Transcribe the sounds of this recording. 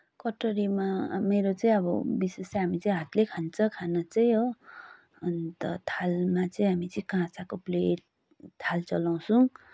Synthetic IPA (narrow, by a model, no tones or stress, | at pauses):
kʌʈʌɾimameɾot͡sʌĩʌbʌbisesɦamit͡sʌĩɦat̪lekʰant͡sʰʌkʰanʌt͡sʌĩo | ʌnt̪ʌt̪ʰalmat͡sʌĩɦamit͡sʌĩkãt͡sakopleʈ | t̪ʰalt͡sʌlaw̃su